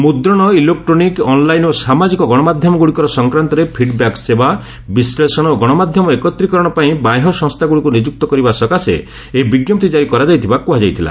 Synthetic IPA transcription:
mud̪ɾɔɽ̃ɔilek̚ʈɾonikɔnlajnosamad͡ʒikɔɡɔɽ̃ɔmad̪ʱjɔmɔɡuɽikɔɾɔsɔŋkɾant̪ɔɾepʰiɖbakseba | bislesɔɽ̃oɡɔɽ̃ɔmad̪ʱjɔmɔekɔt̪ɾikɔɾɔɽ̃ɔpaĩbajɦɔsɔŋst̪ʰaɡuɽikunid͡ʒuk̚t̪ɔkɔɾibasɔkasḛ | ebiɡjɔp̚t̪id͡ʒaɾikɔɾad͡ʒajt̪ʰibakuɦad͡ʒajt̪ʰila̰

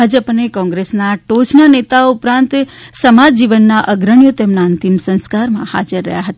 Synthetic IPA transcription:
ad͡ʒəpnekɔ̃ŋɡɾesnaʈot͡ʃnanet̪aoʊpɾãnt̪ | səmad͡ʒd͡ʒiʋənːaʔəɡɾəɳjot̪emnaənt̪imsə̃nskaɾmãha̰d͡ʒəɾːə̰ɦjaɦət̪a

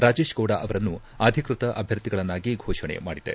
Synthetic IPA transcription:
ɾaːd͡ʒeːʃɡɐwɽaʔɐʋɐɾɐnːu | aːd̪ʱikɾut̪ɐʔɐbʱjɐɾt̪iɡɐɭɐnːaːɡiɡʱɔːʂɐɳḛma̰ːɽid̪e̞̰

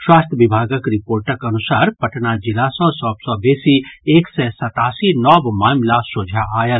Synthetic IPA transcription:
ʃwaːst̪ʰjəʋɪbʱaːɡəkɾɪpoːɾʈəkɐnʊsaːɾpɐʈnad͡ʒɪlasɔ̃sɔbsɔbeːsieːksɛsɐt̪aːsinɔːbmaːmlasoːd͡ʒʱaʔaːjəl

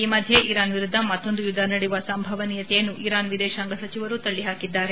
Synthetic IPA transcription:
iːmɐd̪ʱjeʔiːɾaːnʋiɾud̪ʱːɐmɐt̪ːo̞nd̪ujud̪ʱːɐnɐɽiʋɐsɐmbʱɐʋɐniːjɐt̪ɛjɐnːuʔiɾaːnʋid̪ɛːʃaːŋɡɐsɐt͡ʃiʋɐɾut̪ɐɭːiɦaːkid̪ːaːɾe

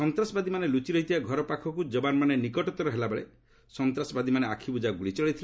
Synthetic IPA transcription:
sɔnt̪ɾasɔbad̪imanelut͡ʃiɾɔɦit̪ʰibaɡʱɔɾɔpakʰɔkud͡ʒɔbanmanenikɔʈɔt̪ɔɾɔɦelabeɭḛ | sɔnt̪ɾasɔbad̪imaneakʰibud͡ʒaɡuɭit͡ʃɔɭit̪ʰile

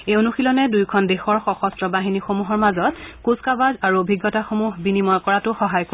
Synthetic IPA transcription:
eonuxilɔnɛdujkʰɔndexɔɹxɔxɔstɹɔbaɦinixomuɦɔɹmazɔtkuskabazaɹuobʱiɡːɔtaxomuɦbinimɔjkɔɹatʊxɔɦajk

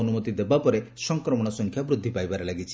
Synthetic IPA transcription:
ɔnumut̪id̪ebapɔɾesɔŋkɾɔmɔɽ̃ɔsɔŋkʰjabɾud̪ʱːipajbaɾelaɡit͡ʃʰi

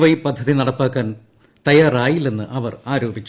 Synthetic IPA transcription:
ʋɐjipɐd̪ʱːɐðinɐɽɐpːaːkːaːn | t̪ɐjaːraːjilenːɨ̰ʔɐʋɐraːɾoːbit͡ɕːu

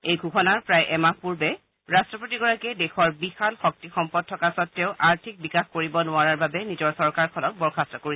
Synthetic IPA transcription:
ejɡʱukʰɔnaɹpɹajʔɛmak̚puɹbɛ | ɹastɹɔpotiɡɔɹakɛdɛxɔɹbixalxɔk̚tixɔmpɔd̚tʰːɔkasɔtːɛʊʔaɹtʰik̚bikaxkoɹibɔnʊaɹaɹbabɛnizɔɹsɔɹkaɹkʰɔlɔk̚bɔɹkʰastɹɔkoɹi

